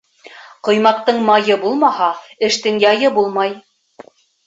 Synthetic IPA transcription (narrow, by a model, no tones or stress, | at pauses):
qŏjmɑq̚t̪ːɤɴmɑjɤbulˠmɑhɑɘ̆ʃt̪ɘŋjɑjɤbulˠmɑj